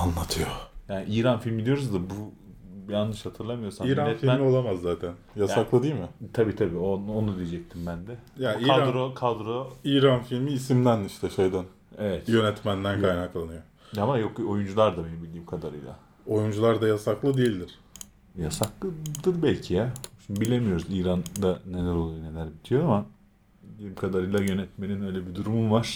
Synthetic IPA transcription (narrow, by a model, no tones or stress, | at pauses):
anlˠat̪ʰɯjojaːniʔiɾanfilʲmid̪ijo̞ɾuzd̪abu | bjanɯʃhat̪ʰɯɾlˠamɯjo̞ɾsamiːjɾanɛt̪filmio̞lˠamazːaːt̪ʰænjasaklˠɯd̪ijilʲmɪt̪ʰabiːt̪ʰabiːononud̪ijed͡ʒɛc̚t̪ʰimbænd̪ɛjaikːaad̪ɾokʰad̪ɾoiːɾanfilʲmiːsimd̪æniʃt̪ʰɛʃejd̪æn | evɛt̪jø̞nɛt̪mænd̪ænkʰajnaklˠanɯjo | amajo̞ko̞jund͡ʒulˠaɾd̪abe̞nibilʲd̪iːmkʰad̪aɾɯ̰jlˠa̰ | o̞jund͡ʒulˠaɾd̪ajasaklˠɯd̪ejilʲd̪iɾ̥ | jasaklˠɯd̪ɯɾbælʲcʰijaʃimbibilʲe̞mijo̞ɾuziːɾand̪aːe̞lʲæɾo̞lˠujne̞lʲæɾbit̪ʰijo̞ama | ilʲiimkʰad̪aɾɯjlˠajø̞nɛt̪me̞ninø̞jlʲebid̪uɾumumvaɾ̥